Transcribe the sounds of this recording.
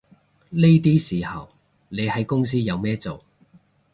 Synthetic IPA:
le˥jt̪iː˥siː˨˩hɐ˨w | ne˨˧jhɐ˨˥jkʊ˥ŋs̬iː˥jɐ˨˧wmɛː˥t͡so˨w

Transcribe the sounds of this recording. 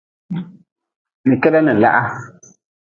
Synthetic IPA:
ni˨kɛ˦dɛ˦ni˨n̩˨la̰˦ʔa˦

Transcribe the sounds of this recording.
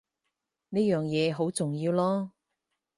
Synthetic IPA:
ne˥jœː˨˩ŋjɛː˨˧ɦo˨˥wt͡sʊ˨˩ŋjiː˧wlɔː˥

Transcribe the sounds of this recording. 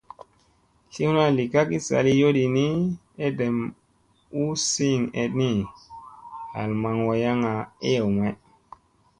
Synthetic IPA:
ɬi˦hu˦na˦li˨ka˦ki˦sa̰˨li˦jo˦di˨ni˦ | e˦de˨m | u˦si˦˨ŋe˨tni˦ | ha̰˨lma˨ŋwo˨ja˦ŋa˨e˦jo˨wm˨e˦

